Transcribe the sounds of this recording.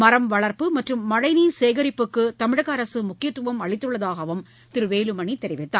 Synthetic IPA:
mɐɾɐmʋɐɭɐɾpɯmɐʈrɯmːɐɻɐɪniːseːɣɐɾɪpːɯkːɯt̪ɐmɪɻɐɣɐːɾɐsɯmʊkːɪjɐt̪ːɯʋɐmɐɭɪt̪ːɯɭːɐðaːɣɐʋɯm | t̪ɪɾɯʋeːlɯmɐɳit̪ːɛɾɪʋɪt̪ːa̰ː

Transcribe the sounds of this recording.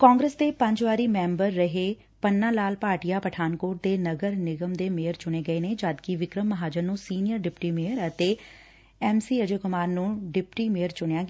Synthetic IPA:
kãːŋɡɾeːsd̪eːpə̃ɲd͡ʒʋaːɾiːmɛ̃ːmbəɾːəɦeː | pənːãːlaːlpaːɾʈijaːpəʈʰaːnkoːʈ̚d̪eːnəɡəɾnɪɡəmd̪eːmeːəɾt͡ʃʊɽ̃eːɡəeːneːd͡ʒaːd̪kiʋɪkɾəmːəɦaːd͡ʒəɾnũːsiːnijəɾɖɪpʈiːmeːəɾət̪eː | ɛːmsiːəd͡ʒəkʊmaːɾnũːɖɪpʈiːmeːəɾt͡ʃʊɳejãːɡ

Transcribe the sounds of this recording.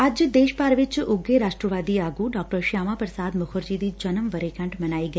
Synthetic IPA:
ad͡ʒd̪eːʃpaɾʋɪt͡ʃʊɡeɾaʂʈɾəʋaːd̪iaɡuɖɔk̚ʈəɾʃjaːmapɾəsaːd̪məkʰoɾd͡ʒid̪id͡ʒənəmʋəɾekə̃ɳʈmənaiɡə

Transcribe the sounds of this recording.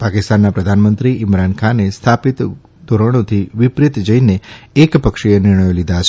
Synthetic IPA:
pakɪst̪anːapɾəd̪ʱanmənt̪ɾiɪmɾankʰanest̪ʰapit̪ | d̪ʱoɾəɽ̃ot̪ʰiʋɪpɾɪt̪d͡ʒəineekpəkʃijənɪɾɳəjolid̪ʱat͡ʃʰe

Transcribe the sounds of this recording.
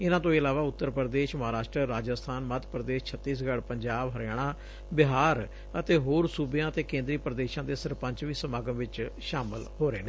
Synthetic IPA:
ɪnãːt̪̬õːiəlaːʋaːʊt̪ːəɾpɾəd̪eːʃməɦaːɾaːʃʈɾəɾaːd͡ʒəst̪ʰaːnmət̪pɾəd̪eːʃt͡ʃʰət̪ːiːs̬ɡəɽpəɲd͡ʒaːbɦəɾaːɽ̃ãː | bɪɦaːɾ | ət̪eːɦoːɾsuːbjãːət̪eːkẽːnd̪ɾiːpɾəd̪eːʃãːd̪eːsəɾpə̃ɲt͡ʃʋiːsəmaːɡə̃mʋɪt͡ʃʃaːmɪlhoːɾeːneː

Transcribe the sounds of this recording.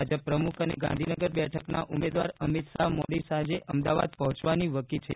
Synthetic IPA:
ad͡ʒəpːɾəmukʰənḛɡã̰nd̪ʱinəɡəɾbɛʈʰəknaʔumed̪ʋa̰ɾəmit̪samoɽisãd͡ʒeʔəmd̪aʋa̰d̪̚pəɦɔ̃t͡ʃʋaniʋəkilt͡ʃʰḛ

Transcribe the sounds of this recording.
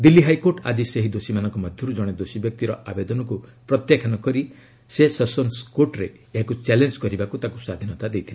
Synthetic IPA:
d̪ilːiɦajkoɾʈa̰d͡ʒiseɦid̪osimanɔŋkɔmɔd̪ʱjɔɾud͡ʒɔɽ̃ed̪osibjɔk̚t̪iɾɔʔabed̪ɔnɔkupɾɔt̪jakʰanɔkɔɾi | sesɔsɔnskoɾʈɾeːɦakut͡ʃɛlend͡ʒkɔɾibakut̪akusad̪ʱinɔt̪ad̪ejt̪ʰile

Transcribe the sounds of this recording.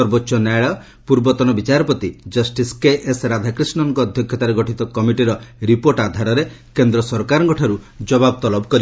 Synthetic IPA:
ɔɾbotːʃɔnaɭɔ | puɾbɔt̪ɔnɔbit͡ʃaɾɔpɔt̪id͡ʒʌsʈiskeʔesɾad̪ʱakɾisɳɔŋkɔːd̪ʱjɔkʰjɔt̪aɾeɡɔʈʰit̪ɔkɔmiʈiɾɔɾipoɾʈad̪ʱaɾɔɾekend̪ɾɔsɔɾkaɾɔŋɡɔʈʰaɾud͡ʒɔbabt̪ɔlɔbɔkɔɾib

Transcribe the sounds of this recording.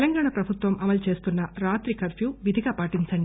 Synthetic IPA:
lɐŋɡaːɳɐpɾɐbʱut̪ʋɐmɐmɐlt͡ʃe̞ːst̪unːɐɾaːt̪ɾikɐɾpjuːʋid̪ʱiɡaːpaːʈiɲt͡ʃɐɳɖi

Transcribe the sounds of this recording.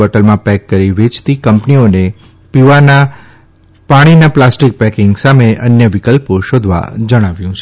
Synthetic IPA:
əʈəlmãpɛkːəɾiʋet͡ʃt̪ikəmpnione | piʋana | paɽ̃inaplasʈik̚pɛkɪŋɡsameʔənjəʋɪkəlpoʃod̪ʱʋa̰d͡ʒəɽ̃aʋjũt͡ʃʰe

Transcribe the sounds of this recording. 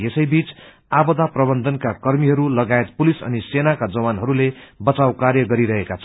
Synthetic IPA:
esʌjbit͡s | abʌd̪aprʌbʌnd̪ʱʌnkakʌrmiɦʌɾulʌɡaet̪̚pulisʌ̰nisenakad͡zʌwanɦʌɾulebʌt͡sawkarjʌɡʌɾiɾʌɦekat͡sʰʌ

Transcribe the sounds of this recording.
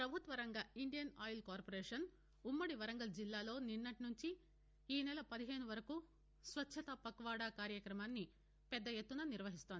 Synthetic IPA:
pɾɐbʱut̪ʋɐɾɐŋɡɐiɳɖijɐnaːjlkaːɾpoɾeːʂɐn | umːɐɽiʋɐɾɐŋɡɐld͡ʒilːaːlo̞ːninːɐʈinuɲt͡ʃi | iːnɛlɐpɐd̪iɦeːnuʋɐɾɐku | sʋɐtːʃʰɐt̪ɐpɐkɐʋaːɽaːkaːɾjɐkɾɐmaːnːi | pɛd̪ːɐjet̪ːunɐniɾʋɐɦist̪ond̪i

